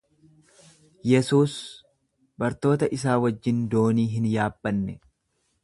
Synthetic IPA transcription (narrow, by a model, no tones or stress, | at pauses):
jɛsuːs | bɐɾt̪o̞ːt̪ɐʔɪs̬aːwɐd͡ʒːɪnd̪o̞ːniːɦɪnjaːbːɐnːɛ